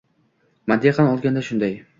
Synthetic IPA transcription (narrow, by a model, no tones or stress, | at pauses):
mad̪ːeqɑnɒlˠɡʲand̪aʃʊnd̪aj